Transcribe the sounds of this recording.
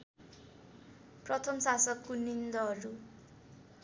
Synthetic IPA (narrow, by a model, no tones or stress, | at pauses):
prʌt̪ʰʌmsasʌkːunind̪ʌɦʌɾu